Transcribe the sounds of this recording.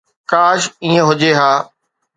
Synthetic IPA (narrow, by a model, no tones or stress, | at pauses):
kaːʃiːə̃ɦʊd͡ʑeɦaː